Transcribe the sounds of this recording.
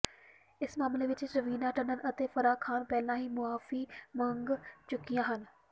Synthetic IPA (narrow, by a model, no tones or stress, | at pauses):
ɪsmaːmleʋɪt͡ɕɾɐʋiːnaʈɐ̃nənʔɐt̪efɐɾaːkʰaːnpɛːlãɦiːmʊaːfimɐ̃ŋɡt͡ɕʊkijãːɦən̆